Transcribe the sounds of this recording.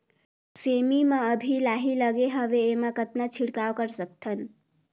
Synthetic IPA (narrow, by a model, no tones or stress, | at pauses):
semimaəbʱilaɦiləɡeɦəbeːmakət̪nat͡ʃʰiɽkawkəɾsək̚t̪ʰən